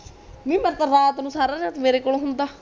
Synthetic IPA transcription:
mĩːməɾt̪əɾaːt̪nũːsaːɾaːɾaːt̪meːɾeːkoːloɦʊnd̪aː

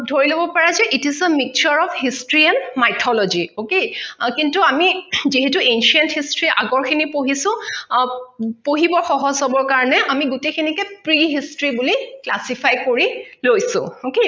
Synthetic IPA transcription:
dʱoɹilobɔpaɹazɛʔitizəmik̚t͡ʃɔɹɔfhistɹianmajtʰɔlɔziokekintuamiziɦetuenʃiɛnthistɹiʔa̰ɡɔɹkʰinipoɦisʊ̃ | poɦibɔɹxɔɦɔzɦɔbɔɹkaɹɔnɛʔamiɡutekʰinikɛpɹiɦistɹibuliklasipʰajkoɹilojsʊ̰̃oke

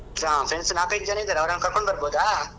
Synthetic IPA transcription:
ɾãpɾeɳsnaːkɐjɡ̪̚d͡ʒanɐid̪aːɾɐʋɐɾɐnkɐɾkoɳbɐɾboːd̪aː

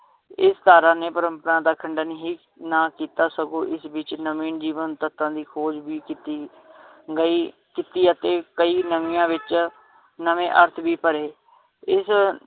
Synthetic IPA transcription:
ɪst̪aːɾãːneːpəɾəmpəɾãːd̪aːkʰəɳɖanɦiː | nãːkiːt̪aːsəɡõːʔɪsbiːt͡ʃnəmiːnd͡ʒiːʋənt̪ət̪ːãːd̪iːkʰoːd͡ʒbiːkit̪iː | ɡəiː | kɪt̪iːət̪eːkəiːnəʋiːãːʋɪt͡ʃ | nəmẽːʔəɾt̪ʰbiːpəɾeː | ɪs

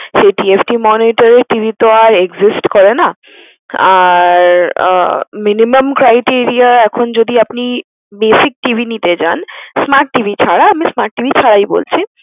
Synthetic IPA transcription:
ʃeʈiepʰʈimɔniʈaɾeɾʈibʱit̪oaɾeɡzisʈkɔɾena | aɾ | minimamkɾajʈiɾiaɛkʰond͡ʑod̪iapni | besik̚ʈibʱinit̪ed͡ʑansmaɾʈːibʱit͡ɕʰaɽaamismaɾʈ̚ʈibʱit͡ɕʰaɽajbo̰lt͡ɕʰi

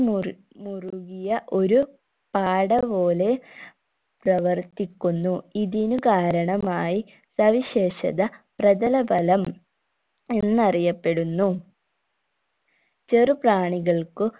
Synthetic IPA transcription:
muruɣijɐʔo̞ɾu | paːɽɐpo̞ːle̞ | prɐʋɐrt̪ikʲːunːuiðinukaːɾɐɳɐmaːji | sɐʋiɕe̞ːɕɐ̰ðɐprɐdɐlɐbɐlɐm | enːɨɐrijɐpːe̞ɽunːu | t͡ɕerɨpraːɳiɣɐɭkɨ

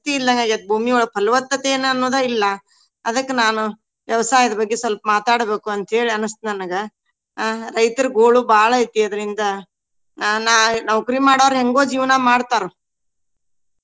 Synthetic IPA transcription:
t̪iːlːɐŋɡaɡɐd̪̚bʱuːmiɔɭːɐpʰɐlʋɐt̪ːɐt̪eːnɐnːoːd̪ɐilːɐ | ɐd̪ɐkːenaːnu | ʋjɐʋɐsaːjɐd̪ɐbɐɡːesʋɐlpɐmaːt̪aːɽbe̞ːkuɐnt̪ɦe̞ːɭiɐnɐst̪nɐnɐɡe | ɾɐjt̪ɐɾɡoːɭubaːɭɐit̪ːiɐd̪ɐɾind̪ɐ | naːnaːʋkɾiːmaːɽaʋɐɾɦeŋɡo̞ːd͡ʒiːʋnɐmaːɽt̪aːɾu

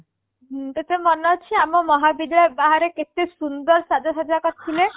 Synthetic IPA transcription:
t̪et̪emɔnɔt͡ʃʰiamɔmɔɦabid̪aebaɦaɾeket̪esund̪ɔɾsad͡ʒasad͡ʒakɔt̪ʰile

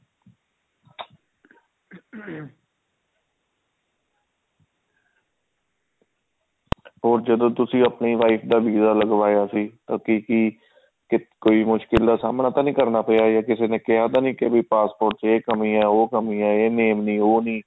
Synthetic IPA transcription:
ɦoːɾd͡ʒəd̪õːt̪ʊsĩːəpɳiːʋaːiːpʰd̪aːʋiːzaːləɡʋaːjaːsiːt̪ãːkiːkiː | kɪkoːiːmʊʃkɪld̪aːsaːmnaːt̪ãːnĩːkəɾnaːpəːjaːjaːkɪseːnẽːkɪɦaːt̪ãːnĩːkebiːpaːspoːɾʈt͡ʃeːkəmĩːɛːoːkəmĩːɛːeːneːmnĩːoːnĩː

